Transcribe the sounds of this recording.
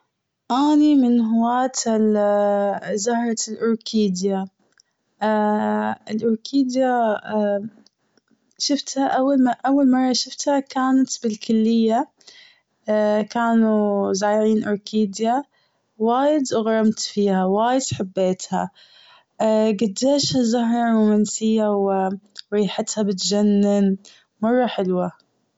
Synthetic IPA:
ʔaːnimɪnɦʊwaːt̪ | zahɾˤɑlʔʊɾkʰiːd̪ja | ɪlʔʊɾkʰiːd̪ja | ʃɪft̪haʔawːalmʔawːalmɑrˤːɑʃɪft̪hakaːnat̪bɪlkʊlːɪjːa | kaːnuzaːʕiːnʔʊɾkʰiːd̪ja | waːjɪd̪ʔʊɣɾˤɑmt̪fiːhawaːjɪd̪̥ħabːeːt̪ha̰ | ɡad̪ːeːʃhazaɦɾˤɑɾuːmansɪjːawɪɾiːħat̪habɪt̪d͡ʒanːɪn | mɑrˤːɑħɪlwa

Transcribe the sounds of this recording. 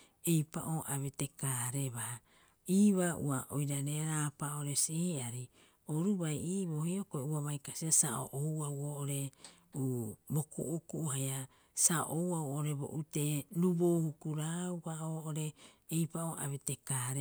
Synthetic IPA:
e̞jpa̰ʔoʔaβete̞kaɾe̞βa | iːβaʔṵaʔo̰jɾaneɾaːpaoɾe̞sihiaɾi | oɾubajiːβohiokoeuaβajkasiasaʔo̰ʔowawoʔoɾe̞ | ubo̞kṵʔukuʔɦaja | sao̰ʔowawoʔoɾe̞bo̰ʔute̞ɾuboːhukuɾaubaoːʔoɾe̞ː | jpaoa̰βete̞kaːɾe

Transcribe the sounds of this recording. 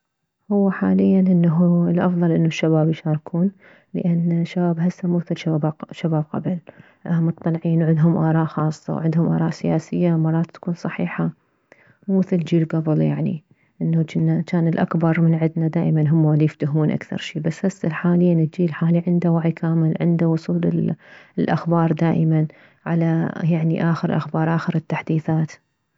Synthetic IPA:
hʊwːaħaːlɪjːanʔɪnːaɦuɪlʔɑfðˤɑlʔɪnːuʃːabaːbjʃɑːɾˤɑkʰuːn | lə̰ʔanːʃːabaːbɦasːamuːθɪlʃabʃabaːb̚qɑ̰bl | ʔmɨt̪ˤːɑlʕiːnwʕɪd̪ɦʊmʔɑːɾˤɑːʔxɑːsˤːɑ̰wʕɪd̪hʊmʔɑ̰ːɾˤɑːʔsɪjaːsɪjːamɑɾˤːɑːt̪t̪ḁkuːnsˤɑħiːħa | muːmɪθɪld͡ʒiːlɡɑbljaʕnḭ | ʔɪnːut͡ʃɪnːat͡ʃaːnɪlʔa̰kbɑɾˤmɪnʕɪd̪nad̪aːʔmanɦʊmːalijɪft̪ʊɦmuːnʔa̰kθɑ̰ɾˤʃiːbasːhasːalħaːlɪjːanɪt̪d͡ʒiːlħaːliʕɪnd̪awaʕikʰaːmɪlʕɪ̰nd̪awʊsˤuːlɪ̰lʔaxbɑːɾˤd̪aːʔɪman | ʕalajaʕniʔaːxəɾlʔa̰xbɑːɾˤʔaːxɪɾɪt̪ːaħd̪iːθaːt̪

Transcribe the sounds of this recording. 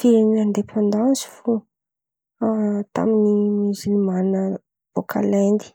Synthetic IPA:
fiɾiniand̪epʰãnd̪ɑ̃nzi̥fo | t̪a̰minimizilimanə | v̥okʰa̰land̪i̥

